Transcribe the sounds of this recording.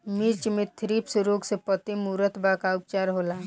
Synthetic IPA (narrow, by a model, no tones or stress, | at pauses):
miɾt͡ʃmẽt̪ʰɾipsɾoːɡsepət̪imuɾət̪bakaʊp̚t͡ʃaːɾɦoːla